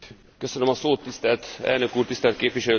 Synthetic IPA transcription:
kø̞sønømɒsoːt̪ːist̪ɛlt̪ɛ̰lnø̞kuːrt̪ist̪ɛlt̪̚keːpʋiʃɛløː

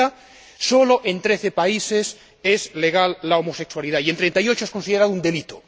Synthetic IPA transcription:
a | so̞lo̞ʔe̞nt̪ɾeθepaise̞s | ezle̞ɣalːaomose̞kswaliðaient̪ɾent̪ajo̞t͡ʃoe̞skonsiðeɾaðound̪e̞lit̪o

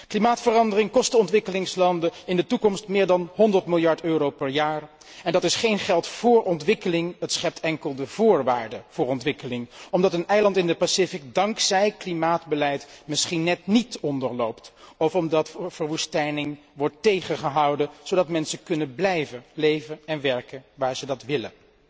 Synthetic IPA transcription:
klimaːtfərɑndərɪŋkɔstəɔntʋɪkəlɪŋslɑndəɪndətukɔmstmɪːɹdɑnɦɔndəɹtmɪlˠjɑɹtøːrowpɛɹjaːɹ | ɛndɑtɪsχejnχɛlˠtfʊːɹʔɔntʋɪkəlɪŋətsχɛp̚tʰɛŋkəlˠdəv̥ʊːɹʋaːɹdəv̥ʊːɹɔntʋɪkəlɪŋɔmdɑtənɛjlɑntɪndəpasɪfik̚dɑŋksɛjklimaːdbəlɛjtmɪsχinːɛtnitɔndəɹlowptɔfɔmdɑtvəɹʋustɛjnɪŋ | ʋɔɹtːejχəχəɦɑwdəz̥owdɑtmɛnsəkɵnənblɛjvəlejvəɛnʋɛɹkənʋaːɹz̥ədɑtʋɪlə̰n

